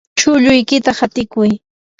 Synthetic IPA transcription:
t͡ʃʊʎʊjkɪt̪ahat̪ɪkʊj

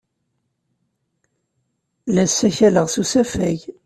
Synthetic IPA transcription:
læsːæçæləʁsusæfæʝ

